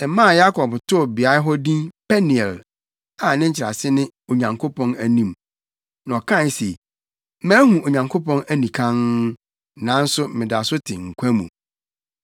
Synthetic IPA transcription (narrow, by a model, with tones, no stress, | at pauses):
ɛ˨mã˦˨ja˦kʰɔ˨btʰʊ˦˨bɪ˨a˦ɦɔ˦dĩ˦pʰɛ˦ni˨ɛ˨l | a˨nɪ̃˦ɲ̩˦t͡ɕʰɪ˨ɾa̰˨sɪ˦nɪ̃˦ | o˨ɲã˨ŋkʰo˦pʰɔ̃˦næ˨nĩ˦˨m | n˨ɔ˨kʰã˦˨˦se˨˦ | mæ̃ː˦hũ˨o˨ɲã˨ŋkʰo˦pɔ̃˦næ˦nĩ˨kʰã˦n | nã˨˦n̩˦sʊ˦mɪ̃˨da˨sʊ˦tʰɪ˨ŋ̩˨kʷʰæ˦mṵ̃˨